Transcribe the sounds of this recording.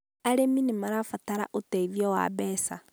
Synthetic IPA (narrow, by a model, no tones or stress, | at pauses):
aɾeminimaɾafataɾa̰ʔotɛiðjɔwa̰bɛːsa